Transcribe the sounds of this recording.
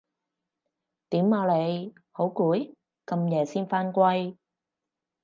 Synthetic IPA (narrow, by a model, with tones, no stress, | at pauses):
t̪iː˨˥maː˧le˨˧j | ho˨˥wkuː˨˥j | kɐ˧mjɛː˨˩siː˥nfaː˥nkʷɐ˥j